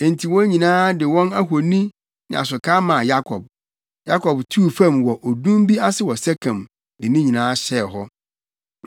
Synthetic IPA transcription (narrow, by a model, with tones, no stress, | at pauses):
ẽ˨n˨tʰi˨wɔ̃˦ɲĩ˨nãː˦dɪ˨wɔ̃˦na˦ɦo˨nĩ˦ | nɪ̰̃˨a̰˨s̬ʊ˨kʰaː˦mã˨ja˦kʰɔ˨b̚ | ja˦kʰɔ˨btʰu˦˨fã˦˨mwɔ˨ʔo˨dũ˦m˦bi˦a˦sɪ˦˨wɔ˨sɛ˦kʰã˨m | dɪ˨nĩ˦ɲĩ˨nãː˨˦ɕɛ˦˨ɦɔ˦